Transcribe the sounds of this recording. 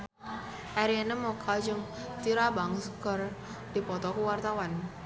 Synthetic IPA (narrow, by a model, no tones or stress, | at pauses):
ʔaɾianəmɔkʰad͡ʒɨŋt̪iɾabaŋsəkər | d̪̥i̤pɔt̪ɔkuwart̪awan